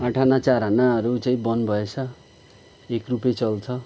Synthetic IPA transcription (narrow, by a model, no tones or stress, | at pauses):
aʈʰanat͡saɾʌnaʌɾut͡saĩbʌnbʱʌet͡sʰʌ | ekrupet͡sʌlt͡sʰʌ